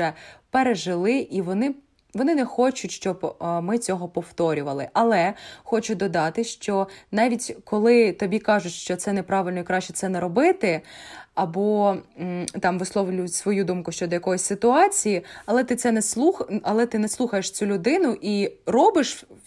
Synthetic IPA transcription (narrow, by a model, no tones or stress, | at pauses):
ɛpeɾeʒɪlˠɪʔiʋɔnɪ | ʋɔnɪnɛxɔt͡ʃʊtʲʃt͡ʃɔbmɪt͡sʲɔɦɔpɔwt̪ɔɾʲʊʋɐlˠɪ̰ʔɐlˠɛxɔt͡ʃʊd̪ɔd̪ɑt̪ɪʃt͡ʃɔnɑʋʲitʲkʰɔlˠɪt̪ɔbʲikɑʒʊtʲʃt͡ʃɔt̪sɛnɛpɾɑʋɪlʲnɔikɾɑʃt͡ʃɛ̥t̪sɛnɛɾɔbɪt̪ɪɐbɔ | t̪ɑmʋɪsˠɔʋlʲʊjʊtʲsʋɔjud̪umkʊʃt͡ʃɔd̪ɔjɐkɔjɔsʲsɪt̪ʊɑt͡sʲijiɐlˠɛt̪ɪt̪sɛnɛslˠuxɐlˠɛt̪ɪnɛslˠuxɐjeʃt͡sʲulʲʊd̪ɪnʊʔirɔbɪʃ